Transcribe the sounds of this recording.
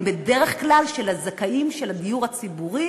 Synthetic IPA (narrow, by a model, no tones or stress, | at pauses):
be̞de̞ʁeχklalʃelazakaʔimʃelad̪ijuʁat͡sibuʁi